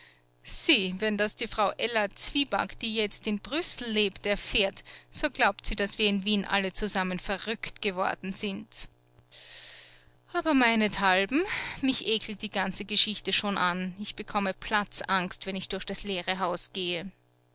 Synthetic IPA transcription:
z̥iːvɛndasd̥iːfʁ̥aʊʔɛlɐt͡sv̥iːba̰kd̥iːjɛt͡stɪnb̥ʁʏsl̩leːptɛɐfeːɐtz̥oːɡ̥laʊptz̥iːd̥asv̥iːɐɪnviːnʔa̰lət͡suzamənfɛɐʁʏktɡ̥əvɔ̰ɐdn̩z̥ɪnt | ʔaːbɐmaɪnətʰalbm̩mɪçʔeːkl̩t̚d̥iːɡ̥ant͡səɡəʃɪçtəʃoːnʔanɪçb̥əkʰɔməpʰl̥at͡sʔaŋkstv̥ɛnɪçd̥ʊɐçd̥asleːʁəɦaʊsɡ̥eːə

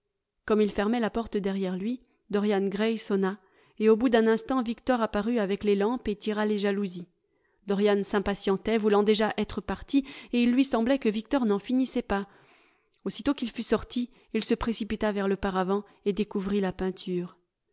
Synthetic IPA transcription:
kɔmilfɛʁmɛlapɔʁt̪d̪ɛʁjɛʁlɥi | d̪ɔʁjanɡʁɛjsɔna | eobud̪ɛ̃nɛ̃st̪ɑ̃vikt̪ɔʁapaʁyavɛklelɑ̃pet̪iʁaleʒaluzi | d̪ɔʁjansɛ̃pasjɑ̃t̪ɛvulɑ̃d̪eʒaʔɛt̪χəpaʁt̪ieilːɥisɑ̃blɛkəvik̚t̪ɔʁnɑ̃finisɛpa | osit̪okilfysɔʁt̪iː | lsəpχesipit̪avɛʁləpaʁavɑ̃ | ed̪ekuvʁilapɛ̃t̪ʰyːʁ

